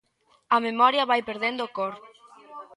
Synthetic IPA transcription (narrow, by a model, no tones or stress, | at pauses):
ɐmemɔɾjɐβajpeɾðend̪oːkoɾ